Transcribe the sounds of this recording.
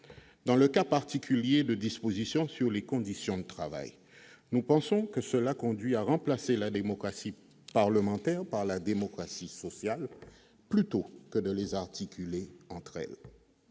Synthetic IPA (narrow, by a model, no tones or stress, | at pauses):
d̪ɑ̃ləkapaʁt̪ikʲʰyljed̪əd̪ispozisjɔ̃syʁlekɔ̃d̪isjɔ̃d̪ət̪χava̰j | nupɑ̃sɔ̃kəsəlakɔ̃d̪ɥiaʁɑ̃plaselad̪emɔkχasi | paʁləmɑ̃t̪ɛʁpaʁlad̪emɔkχasisɔsjal | plyt̪okəd̪əlezaʁt̪ikʲʰyleɑ̃t̪χɛ̰l